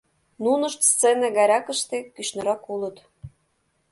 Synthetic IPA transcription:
nunɤ̆ʃt̪st͡senæɣɑɾʲɑkə̆ʃt̪ekyʃnɤ̆ɾɑkulɤ̆t̪

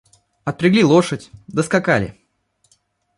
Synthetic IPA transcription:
ɐt̪̚pɾʲɪɡlʲilˠoʂətʲd̪əskakalʲɪ̰

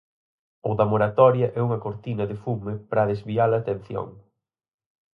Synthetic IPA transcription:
owðɐmoɾat̪ɔɾjɐʔɛuŋɐkoɾt̪inɐðɪfumɪpɾaðezβialɐːt̪ẽn̟θjo̰ŋ

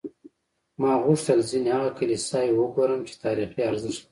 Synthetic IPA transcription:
mɑɣʊʂt̪əlzineaɣakəlisɑjwəɡoɾəmt͡ʃe̥t̪ɑːɾixiaɾzɪʃt̪

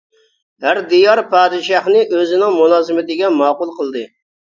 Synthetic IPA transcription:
hæɾd̪ijɑɾpɑːd̪ɪʃɑχnɨʔøzɪnɪŋmulˠɑːzɨmɪt̪ɪɡʲɛmɑːqʊlˠqəlˠd̪ɨ

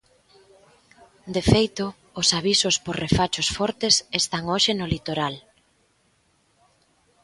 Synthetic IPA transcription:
d̪efejt̪ʊː | saβ̞isʊsporrefat͡ʃʊsfɔɾt̪esest̪aŋoʃenʊlit̪oɾal

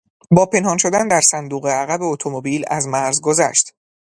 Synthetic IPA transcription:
bɒːpʰe̞nhɒːnʃo̞d̪ænd̪æɾsænd̪uːɣeæɣæbeot̪ʰomobiːlæ̰zmæɾzɡo̞zæ̰ʃt̪

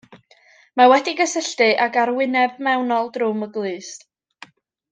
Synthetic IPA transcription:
mawɛdiɡəsəɬtɨʔaɡaɾwɪnɛvmɛwnɔlˠdrʊməɡlˠɨːst

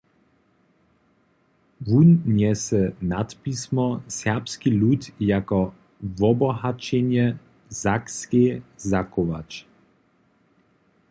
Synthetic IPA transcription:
vunːjɛsɛnat̪pismɔsɛʁpskilut̪jakɔ | vɔbɔhat͡ʃɛnjɛ | zakskezakoʋa̰t͡ʃ

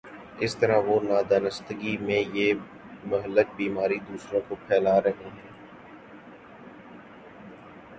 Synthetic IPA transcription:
ɪst̪əɾaʋoːnaːd̪aːnəst̪əɡimẽjeː | mʊɦələk̚biːmaːɾid̪uːsɾõkopʰɛːlaːɾɐɦeɦɛ̃ː

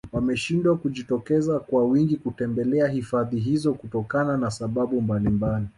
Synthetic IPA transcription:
wamɛʃindwakuʄitɔkɛzakwawiŋɡikutɛmbɛlɛahifaðiɦizɔkutɔkananasaɓaɓumbalimbali

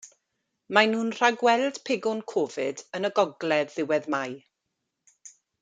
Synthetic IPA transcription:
manuːnr̥aɡwɛlˠd̥pʰɪɡʊnkʰɔːvɪdənəɡɔɡlɛðːɪwɛðmaj

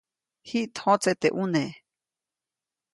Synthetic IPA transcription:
hiʔt̪hõt͡set̪eʔune

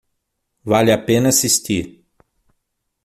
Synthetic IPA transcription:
valʲjapenɐsist̪ʲi

